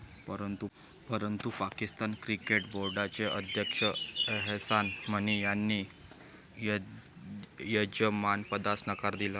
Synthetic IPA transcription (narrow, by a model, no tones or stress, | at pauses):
pəɾənt̪u | pəɾənt̪upakist̪ankɾikeʈboɾɖat͡seʔəd̪ʱjəkʂəɦsanm̤əñijanːiː | j | jəd͡ʑəmanpəd̪asnəkaɾd̪ilə